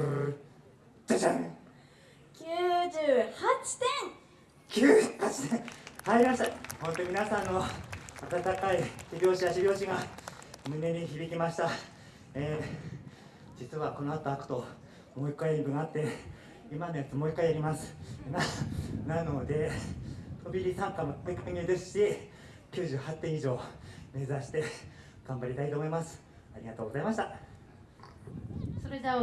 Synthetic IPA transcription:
t͡ɕat͡ɕã | kʲʰɨːʑɨːhat͡ɕi̥t̪ẽŋ | kʲʰɨːkat͡ɕi̥t̪ẽhaiɾʲimaɕi̥t̪ahõ̞nt̪oimʲinasãnːo̞at̪at̪akaiçibʲo̞ːɕiaɕibʲo̞ːɕiɡamɯ̟ne̞ɲ̟içibʲikʲimaɕi̥t̪a | eː | d͡ʑit͡sɨβako̞no̞at̪o̞akɯ̟̥t̪o̞ | mo̞ikːaiibɯ̟ɡat̪ːe | imanojat͡sɨmo̞ikːaiaɾʲimasɨ̥nanano̞d̪e̞ | t̪ʰo̞bʲiɾʲisãŋkamoikʰãɲʲɯːd̪e̞sɨ̥ɕi | kʲɨːʑɨːhat̪ːẽiʑo̞ːme̞ːzaɕi̥t̪e̞ | ɡ̥ãmbaɾʲit̪ait̪oːmo̞imasɨ̥ | aɾʲiɡat̪o̞ːɡo̞zaimaɕi̥t̪a | soɾed̪e

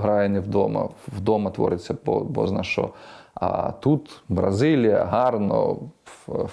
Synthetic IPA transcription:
ɦɾɑjenɪwd̪ɔmɐ̰wd̪ɔmɐt̪ʋɔ̰ɾɪt͡sʲːɐɔbɔ̰znɐʃɔ̰ɐ̰t̪ut̪bɾɐzɪlʲijɐ̰ɦɑrnɔ̰

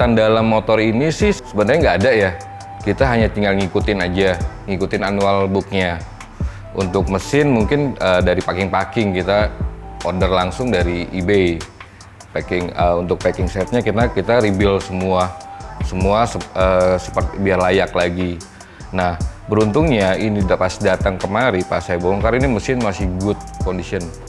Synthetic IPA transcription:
t̪andalamːot̪ɔrinisɪhsəbəndaɲaŋɡaːdaja | kit̪aɦaɲat̪iŋalŋikut̪ɪnad͡ʒaŋikut̪ɪnanualbʊk̚ɲa | ṵnt̪ʊk̚məsɪnmuŋkɪnəːdaɾipakɪŋpakɪŋkit̪aʔodərlaŋsʊŋdaɾiːbej | pakɪŋəunt̪ʊk̚pakɪŋsɛt̪̚ɲakinakit̪aɾibɪlsəmuasəmuasəəsə̥pərt̪ibiarlajaklaɡi | nahbəɾunt̪ʊŋɲainidapasdat̪aŋkəmaɾipasajboŋkaɾiniməsɪnmasɪhbʊt̪̚kondisiən

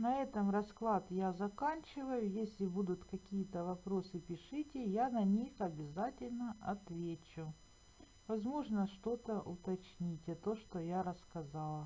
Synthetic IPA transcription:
nɐɛt̪əmrɐsklˠat̪jazɐkanʲt͡ɕɪvəjʊjesʲlʲɪbud̪ʊt̪kɐkʲijət̪əvɐpɾo̞sɨpʲɪʂɨtʲɪjanɐnʲixɐbʲɪzatʲɪlʲnəɐt̪vʲet͡ɕʊ | vɐzmo̞ʐnəʂt̪o̞t̪əʔʊt̪ɐt͡ɕnʲitʲɐt̪o̞ʂt̪ojaɾəskɐzalˠə

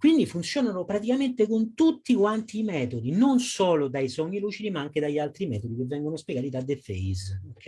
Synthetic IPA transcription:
kwind̪ifunt̪sjɔːnanopɾat̪ikament̪ekont̪ut̪ːikwant̪iːmɛːt̪od̪inonsɔːlod̪aisɔɲːiluːt͡ʃid̪imaaŋk̟ed̪aʎːalt̪ɾimɛːt̪od̪ikevːɛŋɡonospjɛɡaːt̪id̪ad̪ːefeis

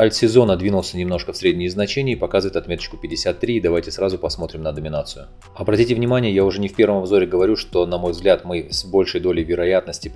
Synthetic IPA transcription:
ɐlʲt̪sʲɪzo̞nəd̪vʲinʊlˠsʲənʲɪmno̞ʂkəfsɾʲedʲnʲɪjəznɐt͡ɕenʲɪəpɐkazɨvəɪt̪ɐt̪mʲe̞t̪ət͡ɕkʊ̥pʲɪdʲɪsʲat̪ːɾʲiːd̪ɐvajtʲɪsɾazʊpɐsmo̞t̪ɾʲɪmnəd̪əmʲɪnat̪sɨjʊ | ɐbɾɐtʲitʲɪvnʲɪmanʲɪjəjaʊʐɛnʲɪfʲpʲe̞ɾvəmɐbzo̞ɾʲɪɡəvɐɾʲuʂt̪o̞nɐmo̞jvzɡlʲat̪mɨsbo̞lʲʂəjd̪o̞lʲɪjvʲɪɾɐjat̪̚nəsʲtʲɪ

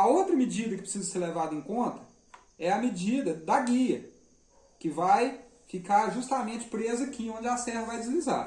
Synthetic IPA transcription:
ɐot̪ɾɐmɪd͡ʒid̪ɐkɪpɾɪ̥sizɐseɾlevad̪ɐẽkõt̪ɐ | ɛɐmɪd͡ʒid̪ɐd̪ɐɡiɐ | kɪvajfikaɾʒust̪amẽnt͡ʃɪ̥pɾezɐkĩõd͡ʒɪasɛvɐvajd͡ʒɪzliza̰ɾ

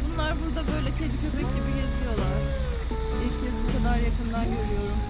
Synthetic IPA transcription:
bunlˠaɾbuɾd̪abø̞jlʲɛcʰed̪icʰøpɛcʲlʲibijazɯjo̞lˠaɾ̥ | ilʲcʰɛsbukad̪aɾjakʰɯnd̪anɟøɾyjo̞ɾum

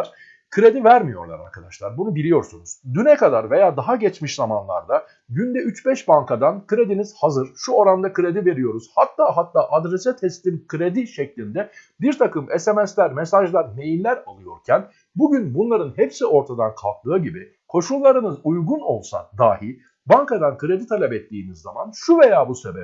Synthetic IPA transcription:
ɾ̥ | kʰɯɾe̞d̪ivæɾmijo̞̰ɾlˠa̰ɾa̰ɾkʰad̪aʃlˠaɾbunubilʲijo̞ɾsunuz̥d̪ynɛkad̪aɾve̞jaːd̪aɦaɟɛt͡ʃmiʃzamanlˠa̰ɾd̪a | ɟynd̪ɛʔyt͡ʃbɛʃbankʰad̪ankʰɯɾe̞d̪iniz̥hazɯɾ̥ʃuo̞ɾand̪akɯɾe̞d̪ive̞ɾijo̞ɾuz̥hat̪ʰːaːɦat̪ʰːaːʔad̪ɾesɛt̪ʰɛst̪inkʰɯɾe̞d̪iʃɛclʲind̪ɛ | biɾt̪ʰakɯmɛsemɛslʲæɾmesaʒlˠaɾme̞jinlʲæɾalˠɯjo̞̰ɾcʰæn | buɟynbunlˠaɾɯnhɛpsio̞ɾt̪ʰad̪ankʰa̰lˠk̚t̪ˠɯːɟibi | kʰo̞ʃulˠːaɾɯnɯzujɡuno̞lˠsa̰d̪aːhi | baŋkad̪ankʰɯɾe̞d̪it̪ʰalʲɛpɛt̪ːiːmizːa̰manʃuve̞jaːbuse̞̰bɛ

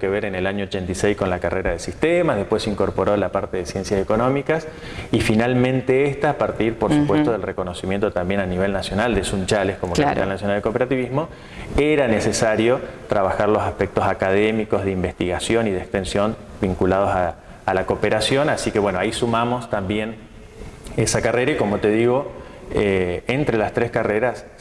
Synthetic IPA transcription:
keβeɾenelaɲoot͡ʃent̪isejsko̞nlakarʔeɾað̞esist̪emazðepwesiŋko̞ɾpo̞ɾo̞lapaɾt̪e̞ðesje̞nsjaseko̞nõ̞mikas | ifinalmẽnt̪eest̪aːpaɾt̪iɾpoɾsupwest̪oðelreko̞no̞simje̞nt̪ot̪ambje̞naniβ̞e̞lnasjo̞nald̪esunt͡ʃalehkomoklat̪alnasjonald̪ekopeɾat̪iβiɦmo̞ | eɾanesesaɾjo̞t̪ɾaβaxaɾlo̞sahpek̚t̪o̞sakað̞emiko̞zðeimbe̞st̪iɣasjo̞niðekst̪e̞nsjo̞m | biŋkulað̞o̞saː | lakopeɾasjo̞nasikeβwenoaisumamo̞st̪ambjen | esakareɾaiko̞mo̞t̪e̞ð̞iɣo̞ | eent̪ɾe̞last̪ɾeskareɾas

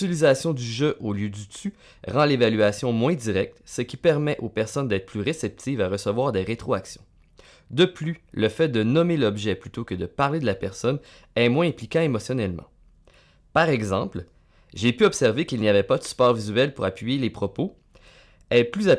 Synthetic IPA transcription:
ilizasjɔ̃d̪yʒøʔoljød̪yt̪y | ʁɑ̃levalyasjɔ̃mwɛ̃d̪iʁɛk̚t̪səkʲipɛʁmɛʔopɛʁsɔnd̪ɛːt̪̚χəplyʁesɛp̚t̪ivaʁəsəvwaːʁd̪eʁet̪χoaksjɔ̃ | d̪əplyləfɛd̪ənɔmelɔbʒɛplyt̪okəd̪əpaʁled̪əlapɛʁsɔn | ɛmwɛ̃ɛ̃plikʲãemɔsjɔnɛlmɑ̰̃ | paʁɛɡzɑ̃pl | ʒepyɔbsɛʁvekʲilnijavɛpad̪əspɑːʁvizyɛlpuʁapɥijelepχɔpo | ɛplyza

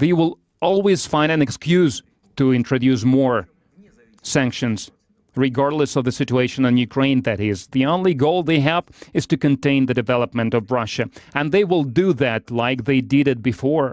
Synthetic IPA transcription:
ðeɪwɪlˠ | ɔlˠwiz̥fãɪ̃ndɨ̃nɨkskjʉz̥ | tɨɪ̃ntɹ̥ɨdʉs̬mɔɹ | sæ̃ŋkʃɨ̃nz̥ | ɹɨɡɑɹdˡləsʌvðɨsɪt͡ʃueɪʃɨ̃nɨ̃njʉkʰɹ̥ẽɪ̃nðɨɾ̚ɪzðiõnliɡoʊlˠðeɪævɨz̥tɨkɨ̃ntẽɪ̃nðɨdɨvɛlˠəp̚mɨ̃ntʌvɹʌʃɨɨ̃nðeɪwɪlˠdɨðætlaɪk̚ðeɪdɪɾɨt̚b̥ɨfɔɹ

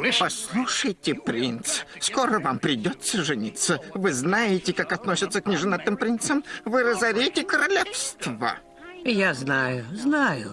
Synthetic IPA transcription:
pɐslˠuʂəjtʲɪpɾʲint̪sskoɾəvampɾʲɪdʲot̪sːəʐɨnʲit̪səvɨznajɪtʲɪkakɐt̪nosʲɪt̪səknʲɪʐɨnat̪ːɨmpɾʲint̪səmvɨɾəzɐɾʲetʲɪkəɾɐlʲefst̪və̰ | jaznajʊznajʊ

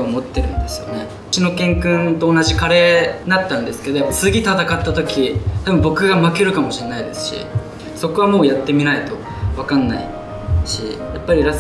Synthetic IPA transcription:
omo̞t̪ːe̞ɾɯ̟̃nd̪e̞sɨ̥jo̞̰ne̞ | ɯ̟t͡ɕino̞kẽ̞ŋkɯ̟̃nt̪o̞ːnaʑikaɾe̞ːnat̪ːãnd̪e̞sɨ̥ke̞d̪o̞japːaisɨɡʲit̪at̪akat̪ːat̪o̞kʲit̪abɯ̟mbo̞kɯ̟ɡamakeɾɯ̟kamo̞ɕienaid̪e̞sɨ̥ɕḭ | so̞ko̞β̞amo̞ːjat̪ːe̞mʲinait̪o̞ | βakãnːa̰ḭ | ɕḭjapːaɾʲiɾas

